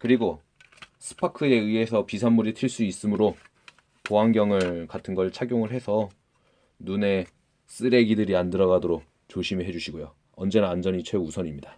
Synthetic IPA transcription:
kɯɾiɡo | sʰɯ̥pʰakʰɯe̞ɯe̞sʰʌpisʰanmːuɾitʰiɭs͈uis͈ɯmɯɾo | poɦaŋɡjʌŋɯɭkatʰɯnɡʌɭt͡ɕʰaɡjoŋɯɭhe̞sʰʌ | nune̞ | s͈ɯɾe̞ɡidɯɾiandɯɾʌɣadoɾok̚ | t͡ɕoɕʰimiɦe̞d͡ʑuɕʰiɡojo | ʌnd͡ʑe̞nanand͡ʑʌɲit͡ɕʰwe̞usʰʌɲimɲida

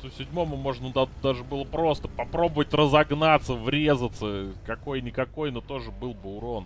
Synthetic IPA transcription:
susʲɪdʲmo̞mʊmo̞ʐnəd̪ad̪aʐɨbɨlˠəpɾo̞st̪ə̥pɐpɾo̞bəvətʲrəzɐɡnat̪səvɾʲe̞zət̪səkɐko̞jnʲɪkɐko̞jnot̪o̞ʐɨbɨlˠbɨʊɾo̞n

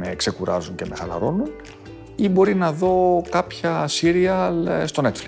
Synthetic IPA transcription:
me̞kse̞kuɾɐ̰zunce̞me̞xɐlɐ̰ɾo̞nun | ibo̞ɾinɐðo̞kɐpçɐsiɾiɐlst̪o̞ne̞t̪fli

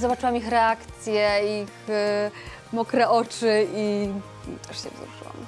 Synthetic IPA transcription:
zɔbat͡ʂɨwamixɾɛakt̪sʲjɛix | mɔkɾɛʔɔt͡ʂɘi | ḭt̪ʰɛʂɕɛ̰vzɾuʐɨ̰wa̰m

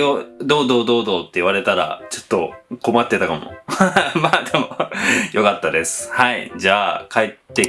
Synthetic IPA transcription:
od̪o̞ːd̪o̞ːd̪o̞ːd̪o̞ːt̪ːe̞iβaɾe̞t̪aɾa̰t͡ɕo̞̥t̪ːo̞ko̞mat̪ːe̞t̪akamo̰mad̪emo̞jo̞kat̪ːad̪e̞sɨ̥haḭd͡ʑaːkait̪ːe

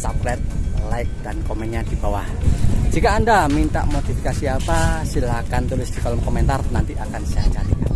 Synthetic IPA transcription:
saplɛt̪̚laɪk̚d̥ankomɛnɲad̪̥i̤b̥awahd͡ʒ̥ikaːndamint̪a̰ʔmot̪ifikasiapasilakant̪ulɪsd̪̥i̤kɔlɔmkɔmɛnt̪arnant̪iʔakansiat͡ʃat̪ikan

